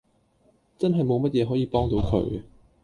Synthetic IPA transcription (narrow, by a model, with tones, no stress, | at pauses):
t͡sɐ˥nɦɐ˨jmo˨˧wmɐ˥t̚jɛː˨˧ɦɔː˨˥jiː˨pɔː˥ŋt̪o˨˧wkʰɵ̰˨˥ɥ